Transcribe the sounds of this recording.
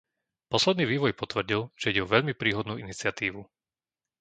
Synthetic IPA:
pɔslɛd̪niːʋiːʋɔjpɔt̪ʋr̩ɟilˠʒ̥ɛiɟɛɔʋɛʎmipɾiːɦɔd̪nuːinit͡sɪat̪iːʋu

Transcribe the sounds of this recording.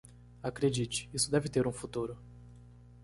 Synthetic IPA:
akɾed͡ʒit͡ʃɪ̥isʊd̪ɛvɪt̪eɾũfut̪uɾʊ

